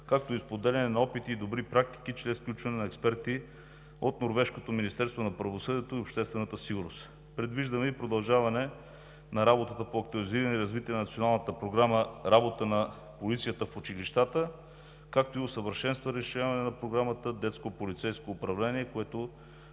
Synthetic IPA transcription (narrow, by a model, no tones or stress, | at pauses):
kak̚t̪oispod̪ɛlʲɛnɛnɐɔpit̪iːd̪obɾipɾak̚t̪i̥k̟it͡ʃɾɛsfklʲut͡ʃvɐnɛnɐɛkspɛɾt̪i | ot̪noɾvɛʃkot̪ominist̪ɛɾst̪vonɐpɾɐvosɤd̪iɛt̪oiopʃt̪ɛst̪vɛnət̪əsiɡʊɾnost̪ | pɾɛd̪viʒd̪əmɛipɾod̪ɐlˠʒavɐnɛ | nɐɾabot̪ət̪əpoɐk̚t̪ʊɐliziɾɐnɛiɾɐzvit̪iɛnɐnɐt̪sionalˠnət̪əpɾoɡɾaməɾabot̪ənɐ | polit̪sijət̪əfut͡ʃiliʃt̪at̪ə | kak̚t̪oiosəvəɾʃɛnst̪vəɾɛʃʲavɐnɛnɐpɾoɡɾamət̪əd̪ɛt̪skopolit̪sɛjskoːpɾɐvlɛniɛkoɛt̪o